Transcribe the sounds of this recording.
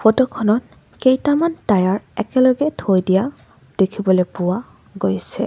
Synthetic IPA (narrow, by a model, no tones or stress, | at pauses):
fʰɔtɔkʰɔnɔt̚ | kejtamantajaɹɛkɛlɔɡɛtʰojdija | d̥ekʰibɔlepʊwa | ɡojsɛ̰